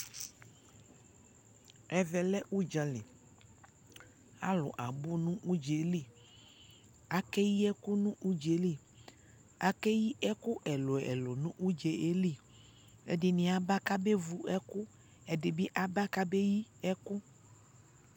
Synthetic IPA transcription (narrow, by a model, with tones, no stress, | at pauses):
ɛ˨vɛ˨lɛ˦ʔu˦d͡ʒa˨li˨ | a̰˦lɔ̰˨ʔa˨bu˦nũ˦ʔu˦d͡ʒe˨li˦˨ | a˨kɛ˦ji˦ɛ˦ku˦nũ˦ʔu˦d͡ʒe˨li˦˨ | a˦kɛ˦ji˦ʔɛ˦ku˦ʔɛ˨lɔ˨ɛ̰˨lɔ˨nũ˦ʔu˦d͡ʒe˨e˦li˦˨ | ḛ˦de˨nĩ˨a˨ba˦ka˦be˦vu˨ɛ˦ku˦ | ɛ˨de˨be˦ʔa˨ba˦ka˦be˦ji˦ɛ˦ku˦